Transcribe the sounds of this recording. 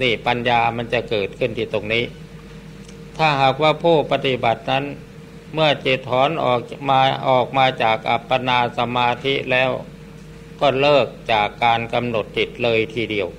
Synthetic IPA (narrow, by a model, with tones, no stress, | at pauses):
niː˧˩pa˧njaː˧ma˧˥nt͡ɕa˧˩kɤː˨˩t̪̚kʰɯ˧˥˩nt̪ʰiː˧˩t̪o˧ŋniː˦˥˨ | t̪ʰaː˧˩ɦaː˨˩k̚waː˧˩pʰoː˥˩pa˧t̪i˧ba˨˩t̪̚na˦˥n | mɯ˥˩ɐt͡ɕe˨˩t̪̚hɔː˧˥˨nʔɔ̰ː˨˩kmaː˧ʔɔː˨˩k̚maː˧t͡ɕaː˨˩k̚ʔa̰˨˧˩pːa˧naː˧sa˧maː˧t̪ʰi˦˥ʔlɛː˦˥w | kɔː˧˩lɤː˥˩k̚t͡ɕaː˨˩kːaː˧nka˧mno˨˩t̪̚ːi˨˩t̪̚lɤː˧jt̪ʰiː˧˩di˧əw